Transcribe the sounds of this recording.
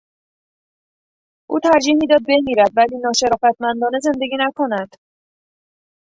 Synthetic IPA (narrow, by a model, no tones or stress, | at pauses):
ʔṵːt̪ʰæɾd͡ʒiːhmiːd̪ɒːd̪̚be̞miːɾæd̪væliːnɒːʃe̞ɾɒːfæt̪ʰmænd̪ɒːne̞ze̞nd̪eɡiːnækʰo̞næd̪̥